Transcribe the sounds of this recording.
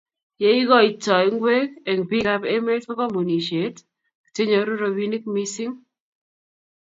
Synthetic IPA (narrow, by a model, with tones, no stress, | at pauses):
je˦i˦ɣɔ˦i˨tɔ˨i˨˦ŋɡwe˦ke˨ŋ˨bi˦ka˦pe˦me˦to˦kɔ˦mu˨ni˨ʃe˨t | ki̥˨te˦ɲo˨˦ɾo˦ɾo˨bi˦ni˦k̚mi˦sɪ˦ŋ